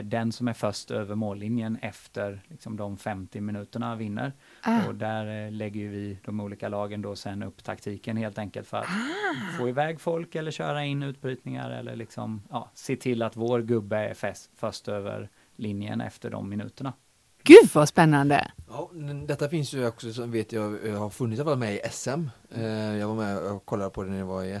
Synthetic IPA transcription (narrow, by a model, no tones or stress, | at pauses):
d̪ɛnsɔmæɾfœʂt̪øːvəɾmoːlːɪnjənɛft̪əɾlɪksɔmd̪ɔmfɛmt̪ɪmɪnʉ̟ːt̪əɳavɪnːə̰ɾ | ɔd̪æɾlɛɡːəjɵvɪd̪ɔmuːliːkalɑːɡənd̪ɔsɛnːɵpːt̪ʰa̰kt̪ʰiːkənheːlt̪ɛŋkəlt̪fœɾa̰t̪foːɪvɛːɡfɔlkɛlːəɕøːɾaɪnʉ̟ːt̪̚bɾyːt̪nɪŋa̰ɾɛ̰lːə̰ɭɪksɔ̰mjɑːseːt̪ʰɪlːat̪voːɾɡɵbːəæ̰ɾfɛsfœʂt̪øːvə̰ɾ | lɪnjə̰nɛ̰ft̪əɖɔ̰mːɪnʉ̟̰ːt̪əɳa | ɡ̥ʉ̟vaspɛnːand̪ə̰jɑːmɛnd̪ɛt̪ːafɪnsjɵɔksɔsɔmveːt̪ʰjɑːhaɾfɵnɪt̪salfalmɛɪʔɛsɛm | jɑːɡvaɾmɛkʰɔlːad̪əpʰɔd̪ɛnd̪ɛvaɪ